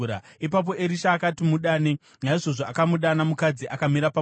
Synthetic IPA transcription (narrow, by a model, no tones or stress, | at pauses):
ɾaip̬ap̬o̞ʔeɾiʃaːkatimuɗaːne | ɲaiʐo̞ʐoakamuɗanamukad͡ziʔakamiɾapa